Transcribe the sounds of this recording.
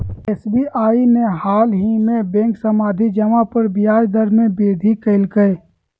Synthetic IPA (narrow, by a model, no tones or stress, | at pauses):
eːsbiːʔaːimẽɦaːlɦimẽbẽːŋksɐmaːd̪ʱid͡ʒɐmapɐɾbɪjaːd͡ʒd̪əɾmẽbeːd̪ʱikəɪlkəe